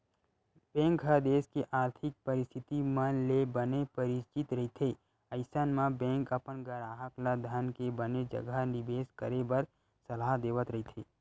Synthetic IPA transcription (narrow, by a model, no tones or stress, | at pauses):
b̥ɛ̃ːŋkɦəɾd̪eːskeʔaːɾt̪ʰɪk̚pɐɾɪst̪ʰɪt̪imɐnlebɐnepɐɾɪt͡ʃɪt̪ɾɐɦit̪ʰeː | ɐɪsənmãbɛ̃ːŋkɐpənɡəɾaːɦəklad̪ʱənkebɐned͡ʒɐ̰ɡənɪbeːskəɾebɐɾ | sɐlaɦd̪eːʋət̪ɾɐɦit̪ʰeː